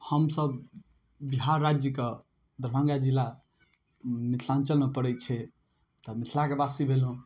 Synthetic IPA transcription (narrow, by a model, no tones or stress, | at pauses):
həmsəb | biɦaɾːad͡ʒjəke | d̪əɾbʱə̃ŋɡad͡ʒilːa | nit̪ʰlant͡ʃəlməpəɾɛt͡ʃʰɛ | t̪ɔmit̪ʰilakebasibʱelɦũ